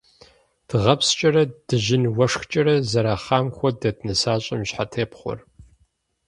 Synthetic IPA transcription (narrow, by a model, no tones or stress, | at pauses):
d̥ɨʁɐpst͡ʃʼɐɾɐd̥ɨʒɪnwɐʂxt͡ʃʼɐɾɐzɐɾaːχɑːmxʷɔdɐtʰnɨsaːɕʼɐmɕħatʰeːpχʷɔ̰r